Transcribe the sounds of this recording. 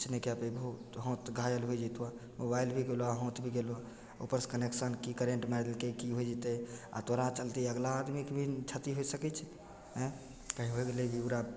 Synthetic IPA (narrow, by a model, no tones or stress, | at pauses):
t͡ʃʰnekeəpibəɦut̪ɦõt̪ɡʱajəlɦojd͡ʒit̪amobailbʱiɡeloaɦõt̪bʱiɡelo | o̰pəɾskəneksənkikəɾeɳʈmaɾlkekiɦojd͡ʒit̪ea̰t̪oɾãt͡ʃəlt̪iəɡlaːd̪mikbʱit͡ʃʰat̪iɦojsəkɛt͡ʃʰ | ɦɛ̃ | kaɦiɦoɡeleɡiuɾa